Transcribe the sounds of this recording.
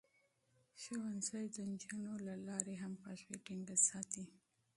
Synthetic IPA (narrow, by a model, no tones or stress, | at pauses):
ʃawansajd̪ənd͡ʒunolalɑɾeɦampaʃweʈɪŋɡasɑt̪i